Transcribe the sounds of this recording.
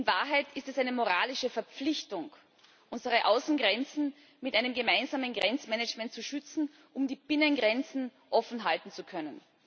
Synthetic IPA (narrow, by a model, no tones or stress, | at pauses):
ʔɪnvaːɐɦaɪtʰɪstɛsʔaɪnəmoʁaːlɪʃəfɛɐp͡flɪçtʊŋ | ʔʊnzəʁ̞əʔaʊsn̩ɡʁɛnt͡sn̩ | mɪtʔaɪnəmɡəmaɪnzaːmənɡʁɛnt͡smɛnət͡ʃmɛntt͡suʃʏt͡sn̩ | ʔʊmdiːb̥ɪnənɡʁɛnt͡sn̩ | ʔɔfn̩ɦaltn̩t͡sukʰœnən